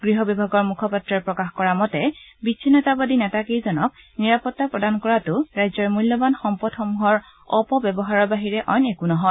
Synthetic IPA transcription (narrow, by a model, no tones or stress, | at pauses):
ɡ̥ɹiɦɔbɔbʱaɡɔɹmukʰɔpatɹaɹpɹɔkaxkɔɹamɔtɛbit͡ʃʰːinːɔtabadinɛtakejzɔnɔk̚niɹapɔtːapɹɔdankɔɹatʊɹajzɔɹmulːɔbanxɔmpɔtxɔmuɦɔɹ | ɔpɔbɛbɔɦaɹɔbaɦiɹɛʔɔjnekunɔɦɔ